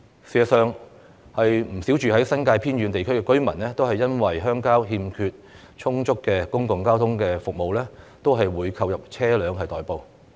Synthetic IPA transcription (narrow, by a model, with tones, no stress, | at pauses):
siː˨˧ɐ˨t̚sœː˨ŋ | hɐ˨jm̩˨˩si˨˥wt͡ʃyː˨hɐ˨˥jsɐ˥nkaː˧jpʰiː˥nɥy˨˧nt̪e˨jkʰɵ˥ɥkɛː˧kɵ˥ɥmɐ˨˩nlɛː˥t̪o˥whɐ˨jːɐ˥nwɐ˨jɦœː˥ŋkaː˥wɦiː˧mkʰyː˧t̚ | t͡ʃʰʊ˥ŋt͡sʊ˥kːɛː˧kʊ˥ŋkʊ˨ŋkaː˥wt̪ʰʊ˥ŋkɛː˧fʊ˨k̚mo˨wlɛː˥ | t̪o˥wɦɐ˨jwuː˨˧jkʰɐ˧wjɐ˨p̚t͡sʰɛː˥lœː˨˧ŋɦɐ˨jt̪ɔː˨jpo˨˧w